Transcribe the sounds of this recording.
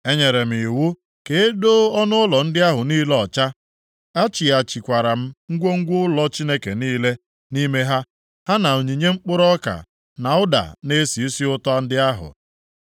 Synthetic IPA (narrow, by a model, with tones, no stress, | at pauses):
e˦ɲe˨ɾe˨m̩˨i˨wʊ˦ | ke˨e˦do˦ɔ˦nʊ˦ʊ˦lɔ˨n̩˦dɪ˦a˦ɦʊ˨niː˦lɔ˨t͡ʃa˦ | a˦t͡ʃi˨a˨t͡ʃi˨kʷa˨ɾa˨m̩˦ŋ̩˦ɡʷo˦ŋ̩˦ɡʷʊ˦ʊ˦lɔ˦t͡ʃi˦ne˦ke˨niː˦le˦ | ni˦me˦ɦa˦ | ha˦na˨o˨ɲi˨ɲe˦ŋ͡m̩˦k͡pʊ˦ɾɔ˦ka̰˨ | na˨ʊ˦da̰˨ne˦si˨i˦si˦ʊ˦tɔ˦a˦n̩˦dɪ˦a˦ɦʊ̰˨